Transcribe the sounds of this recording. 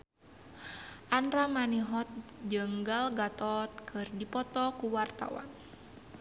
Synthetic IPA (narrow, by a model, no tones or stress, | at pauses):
ʔanɾamaniɦɔt̪̚d͡ʒəŋɡalɡat̪ɔt̪̚kʰɨrdipɔt̪ɔkuwart̪a̰wa̰n